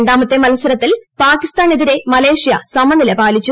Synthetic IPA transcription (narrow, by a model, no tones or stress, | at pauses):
ɳɖaːmɐt̪ːemɐlɐsɐɾɐt̪ːilpaːkist̪aːneðiɾe̞mɐle̞ːʂjɐ̰sɐmɐnilɐpaːlit͡ɕːu